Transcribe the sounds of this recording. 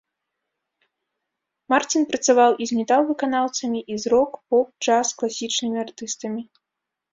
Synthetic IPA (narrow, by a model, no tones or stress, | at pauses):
mart͡sʲinpɾɐt̪savawʔizʲmʲɛt̪awˠvɨkanawt̪sɐmʲiʔizɾɔkpɔp̚t͡ʂasklˠasʲit͡ʂnɨmʲiart̪ɨst̪ɐmʲi